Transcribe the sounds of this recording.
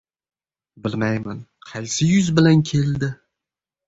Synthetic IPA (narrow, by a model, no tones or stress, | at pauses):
bɪlmajmanqʰɑlʲsɪjʊzbɪlankʲʰe̞ld̪ɪ